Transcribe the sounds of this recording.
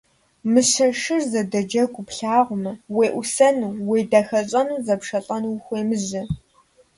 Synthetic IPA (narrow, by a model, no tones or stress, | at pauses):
mɨɕɐʂɨrzɐdɐd͡ʒɐɡʷʊpɬaːʁʷʊmɐweːʔʷʊsɐnuːweːdɐxɐɕʼɐnuːzɐpʂɐɬʼɐnuxʷeːmɨʑɪ